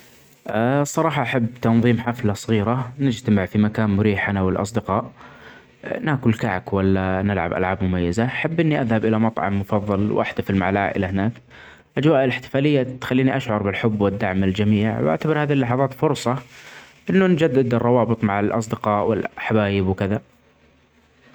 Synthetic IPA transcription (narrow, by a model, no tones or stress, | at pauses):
ʔasˤːɑɾˤɑːħɑʔaħabːt̪ɑnðˤiːmħaflasˤɣiːɾanɪd͡ʒt̪amɪʕfimakaːnmʊɾiːħanawɪlʔɑ̰s̬ˤd̪ɪqɑːʔ | naːkʊlkaʕkwalːanɪlʕa̰bʔa̰lʕaːbmʊmajːazaħabːʔɪnːiʔaðhabʔɪlamɑt̪ˤʕɑ̰mːʊfɑðˤːɑlwʔa̰ħd̪afɪlmaʕalʔa̰ːʔɪ̰lahɪnaːk | ʔad͡ʒwaːʔɪlɪħt̪ɪ̥faːlɪjːat̪xalːiːniʔaʃʕɑɾˤbɪlħʊbːwɪd̪ːaʕmald͡ʒamiːʕwʔa̰ʕt̪abɪɾhaːðilːɑħɑðˤɑːt̪fʊɾsˤɑ | ʔɪnːʊnd͡ʒad̪ːɪd̪ɨrˤːɑwɑːbɨt̪ˤmaʕalʔɑ̰sˤd̪ɪqɑːʔwɪ̰lħawaːjɪbwkɪða